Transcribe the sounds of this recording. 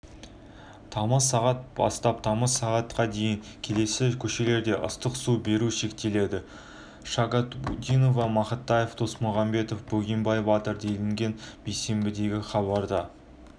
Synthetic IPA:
t̪ʰɑməsːɑʁɑt̪̚b̥ɑ̰st̪ɑp̚t̪ʰɑməsːɑʁɑt̪qɑd̪e̞jɪŋ | kʲʰe̞le̞sɪkʲʰɵʃe̞le̞ɾd̪e̞ʔʊ̰st̪əqsube̞ɾuʃe̞k̚t̪e̞le̞d̪ɪ | ʃɑɡɑt̪bud̪ijno̞vɑmɑχət̪ːɑjeft̪o̞smʊʁɑmbe̞t̪o̞fbɵɡʲembɑjbɑt̪əɾd̪e̞lɪŋɡʲe̞nbejse̞mbɪd̪e̞ɡʲɪχɑβɑɾd̪ɑ

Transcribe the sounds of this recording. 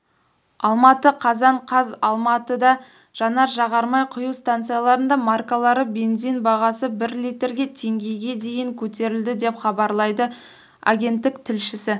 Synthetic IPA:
ɑlˠmɑt̪əqʰɑzɑɴqʰɑzɑlˠmɑt̪əd̪ɑ | ʒ̥ɑnɑɾʒɑʁɑɾmɑjqʰʊjuwst̪ant̪sɨijalˠɑɾənd̪ɑmarkalˠɑɾəbe̞nzijnbɑʁɑsəbɪɾlijt̪ɾɡʲe̞t̪ʰe̞ŋɡʲe̞jɡʲe̞d̪e̞jɪŋkʲʰɵt̪e̞ɾɪld̪ɪd̪e̞pχɑbɑɾlˠɑjd̪ə | a̰ɡʲe̞nt̪ːɪkt̪ʰɪlʃɪsɪ

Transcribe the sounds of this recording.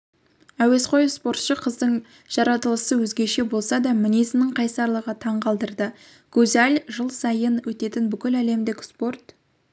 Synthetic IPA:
æwe̞sqo̞jspo̞rt̪ʃəqʰəzd̪əɴ | ʒ̥ɑɾɑt̪əlˠəsəwɵzɡʲe̞ʃe̞bo̞lˠsɑd̪ɑmɪnesɪnɪŋqʰɑjsɑɾlˠəʁət̪ʰɑɴqɑlˠd̪əɾd̪ə | ɡ̥ɵzælʲʒəlˠsɑjənwɵt̪e̞t̪ɪnbʏkʲɪlæle̞md̪ɪkʲspo̞rt̪

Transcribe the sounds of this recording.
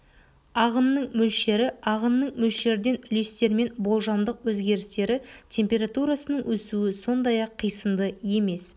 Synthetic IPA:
ɑʁənːəɴmɵlʃe̞ɾɪɑʁənːəɴmɵlʃe̞ɾd̪e̞nʏle̞st̪e̞ɾme̞nbo̞lˠʒɑnd̪əqwɵzɡʲe̞ɾɪst̪e̞ɾɪt̪ʲʰe̞mpʲe̞ɾat̪uɾɑsənəɴwɵsuɪso̞nd̪ɑjɑqʰːijsəmd̪əje̞me̞s

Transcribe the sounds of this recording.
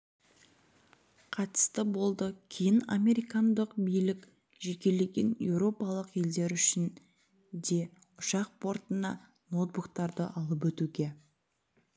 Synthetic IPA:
qʰɑt̪ə̥st̪əbo̞lˠd̪əkʲʰejɪna̰mʲe̞ɾijkɑnd̪əqbijlɪkʲ | ʒekʲe̞le̞ɡʲe̞̰nje̞̰wɾo̞pɑlˠəqe̞ld̪e̞ɾʏʃɪn | d̪e̞ | ʊʃɑq̚pʰo̞ɾt̪ənɑ̰ | no̞t̪̚bukt̪ɑɾd̪əʔɑlˠəp̬wɵt̪uɡʲe̞

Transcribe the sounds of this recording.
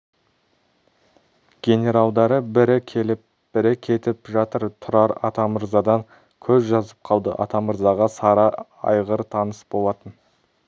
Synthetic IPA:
ɡ̥ʲe̞nʲe̞ɾɑlˠd̪ɑɾəbɪɾɪkʲʰelɪ | b̥ɪɾɪkʲʰe̞t̪ɪpʒɑt̪əɾt̪ʰʊɾɑɾɑ̰t̪ɑməɾzɑd̪ɑŋ | kʲʰɵzʒɑzəp̚qʰɑlˠd̪ə̰ʔɑ̰t̪ɑməɾzɑʁɑsɑɾɑ | ɑ̰jʁəɾt̪ʰɑnəsbo̞lˠɑt̪ən

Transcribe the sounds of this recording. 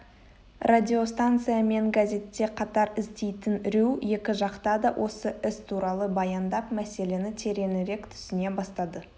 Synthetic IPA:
rʔadʲio̞st̪ant̪sɨjame̞ŋɡazʲe̞t̪ːe̞qʰɑt̪ɑɾɪzd̪e̞jt̪ɪnɾewje̞kʲɪʒɑqt̪ɑd̪ɑwʔo̞səɪst̪ʰuɾɑlˠəbɑjɑnd̪ɑpmæse̞le̞nɪt̪ʰe̞ɾe̞nɪɾe̞kt̪ʰʏ̥sɪne̞bɑst̪ɑd̪ə

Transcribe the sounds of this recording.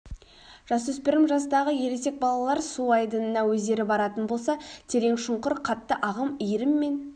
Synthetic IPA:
ʒ̥ɑsɵspɪɾɪmʒɑsd̪ɑʁəje̞ɾese̞k̚bɑlˠɑlˠɑɾsuɑjd̪ənənɑwɵzd̪e̞ɾɪbɑɾɑt̪ənbo̞lˠsɑt̪ʰe̞ɾe̞ŋʃʊɴqʊɾqʰɑt̪ːəʔɑʁəmijɾɪmːe̞n

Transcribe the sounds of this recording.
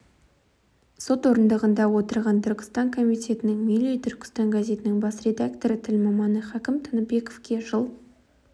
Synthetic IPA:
so̞t̪woɾənd̪əʁənd̪ɑwo̞t̪əɾʁɑnt̪ʰʏɾkʲɪ̥st̪ɑŋkʰo̞mijt̪ʲe̞t̪ɪnɪŋmilijt̪ʰʏɾkʲɪ̥st̪ɑŋɡaze̞t̪ɪnɪŋbɑsrʲe̞d̪akt̪o̞ɾət̪ʰɪlmɑmɑnəχɑkʲɪmt̪ʰənəbe̞ko̞vkʲe̞ʒəlˠ

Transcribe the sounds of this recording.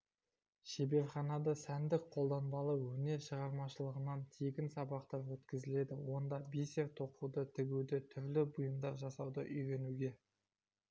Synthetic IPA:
ʃe̞be̞ɾχɑnɑd̪əsænd̪ɪk̚qʰo̞lˠd̪ɑnbɑlˠəwɵne̞ɾʃəʁɑɾmɑʃəlˠəʁənɑnt̪ʰe̞ɡʲɪnsɑbɑqt̪ɑpwɵt̪kʲɪzɪle̞d̪ɪwo̞nd̪ɑbiseɾt̪ʰo̞qʰud̪ət̪ʰɪɡʲud̪ɪt̪ʰʏɾlɪbʊjəmd̪ɑɾʒɑsɑwd̪ə̰ʔʏjɾe̞nuɡʲe̞

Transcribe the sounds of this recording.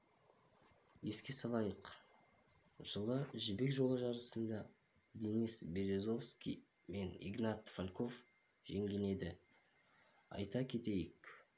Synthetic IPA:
je̞skʲe̞sɑlˠɑjəq | ʒ̥əlˠəʒʏbe̞kʒo̞lˠəʒɑɾəsənd̪ɑ | d̪enisbe̞ɾe̞zo̞fskʲḭ | me̞nḭɡnɑt̪falʲkʰo̞f | ʒ̥eŋɡʲe̞ne̞d̪ɪ | ɑ̰jt̪ɑkʲʰe̞t̪e̞jɪk

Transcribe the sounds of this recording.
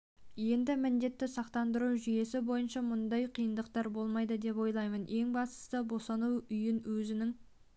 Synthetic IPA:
je̞nd̪ɪmɪnd̪e̞t̪ːɪsɑqt̪ɑnd̪əɾuʒʏje̞sɪbo̞jənʃɑmʊnd̪ɑjqʰijənd̪əqt̪ɑɾbo̞lˠmɑjd̪əd̪e̞pwo̞jlˠɑjməne̞ŋbɑst̪ə̥st̪əbo̞sɑnuʏjɪnwɵzɪnɪŋ

